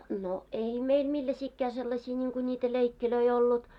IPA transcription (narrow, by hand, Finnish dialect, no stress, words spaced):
no ei meil milːæsiːkːæː selːɑsʲiː nʲiːŋku nʲiːtæ leikːiløi olːut